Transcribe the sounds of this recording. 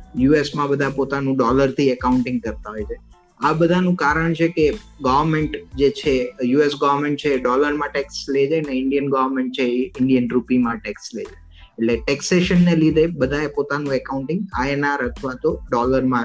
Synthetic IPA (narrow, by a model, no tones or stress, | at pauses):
juesmãbəd̪ʱapot̪anũɖɔləɾt̪ʰiɛkaũɳʈɪ̃ŋɡ̚kəɾt̪aɦojt͡ʃʰe | abəd̪ʱanũkaɾəɳ̃t͡ʃʰeke | ɡɔʋəɾmeɳʈd͡ʒet͡ʃʰejuesɡaʋəɾmẽɳʈ̚t͡ʃʰeːɖɔləɾmãʈɛksled͡ʒaneɪɳɖijənɡaʋəɾmeɳʈ̚t͡ʃʰeɪɳɖijənɾupimãʈɛkslḛd͡ʒa | eʈleʈɛkseʃənːelid̪ʱebəd̪ʱaepot̪anũekauɳʈɪ̃ŋɡa̰enaɾət̪ʰʋat̪oɖɔləɾmã